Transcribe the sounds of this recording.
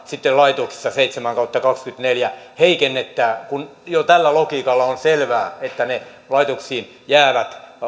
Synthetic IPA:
sit̪ːellɑit̪oksi̥sːɑseit̪semæŋkɑut̪ːɑkɑkskyt̪neljæheikenːet̪ːæːkunjot̪ælːælokiːkɑlːɑonselʋæːet̪ːæne | lɑit̪oksiːn | jæːʋæt̪

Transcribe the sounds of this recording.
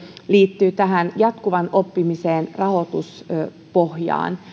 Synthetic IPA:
liːt̪ːyːt̪æɦænjɑt̪kuʋɑno̞pːimiseːnrɑho̞t̪us | po̞hjɑ̰ːn

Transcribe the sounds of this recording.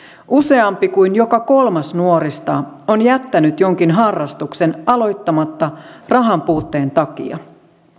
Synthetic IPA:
ʔuse̞ɑmpikujnjo̞kɑko̞lmɑsnuo̞ɾist̪ɑ̰ːonjæt̪ːænyt̪jo̞ŋkinɦɑrːɑst̪ukse̞nɑlo̞jt̪ːɑmɑt̪ːɑrɑɦɑmpuːt̪ːe̞ːnt̪ɑkḭɑ̰

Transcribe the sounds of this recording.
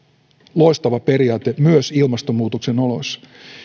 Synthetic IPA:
lo̞ist̪ɑʋɑpe̞ɾiɑːt̪emyøsilmɑst̪omuːt̪okse̞no̞lo̞̰s

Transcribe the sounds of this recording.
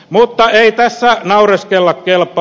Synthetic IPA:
mut̪ːɑeit̪æsːænɑureskelːɑkkelpːˑɑ

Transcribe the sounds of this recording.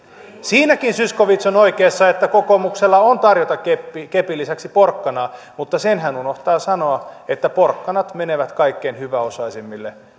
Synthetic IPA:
siːnækinsyskoʋit̪sonoikeːsːɑet̪ːækokomukselːɑont̪ɑrjot̪ɑkepːikepilːisæksiporkːɑnɑː | mut̪ːɑsenɦænunoht̪ɑːsɑnoɑet̪ːæporkːɑnɑt̪meneʋæt̪kɑikːenhyʋæosɑisimːilːe

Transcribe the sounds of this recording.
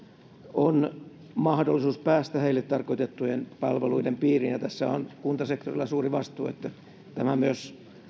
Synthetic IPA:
on | mɑhdolːisuːspæːst̪æheilːet̪t̪ɑrkoit̪et̪ːujenpɑlʋeluidempiːrinjɑt̪æsːæonkunt̪ɑsekt̪orilːˑɑsuːriʋɑst̪ṵːḛt̪ːæ | t̪æmæmyøs

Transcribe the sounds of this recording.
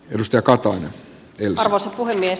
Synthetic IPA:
edust̪ɑjɑkɑt̪ɑine | elɑrʋoˑsɑpuɦhemːies

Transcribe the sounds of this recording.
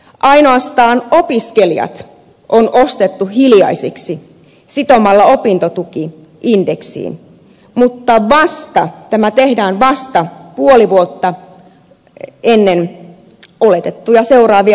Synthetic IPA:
ʔɑino̞ɑst̪ɑːnopiskelijɑ̰t̪ | ʔonʔost̪et̪ːuhiljɑ̰isiksi | sit̪omɑlːɑopint̪ot̪uki | indeksḭːn | mut̪ːɑʋɑst̪ɑt̪æmæt̪ehdæːnʋɑst̪ɑpuoliʋuot̪ːɑ | enːen | olet̪et̪ːujɑse̞urɑːʋi

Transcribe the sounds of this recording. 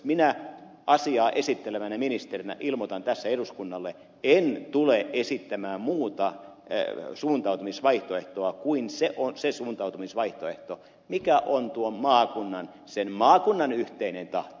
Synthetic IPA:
minæʔɑsiɑːʔesit̪ːeleʋænæminist̪erinæ̰ʔilmot̪ɑnt̪æsːæeduskunːɑlːe | ent̪uleʔesit̪ːæmæːmmuːt̪ɑ̰ | suːnt̪ɑut̪umisʋɑiht̪oeht̪oɑkuinseʔonsesuːnt̪ɑut̪umisʋɑiht̪oeht̪o | mikæʔont̪uommɑːkunːɑn | senmɑːkunːɑnyht̪einent̪ɑht̪o

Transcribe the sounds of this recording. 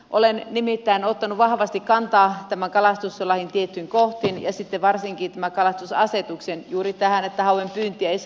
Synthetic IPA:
ʔolennimit̪ːæːnot̪ːɑnuʋʋɑhʋɑst̪ikkɑnt̪ɑːt̪æmæŋkɑlɑst̪usselːɑhint̪iet̪ːyiŋkoht̪injɑsit̪ːeʋɑrsiŋkiːt̪æmækɑlɑst̪usɑ̰set̪uksenjuːrit̪æhænet̪ːæhɑuwempyːnt̪ːˑiæis

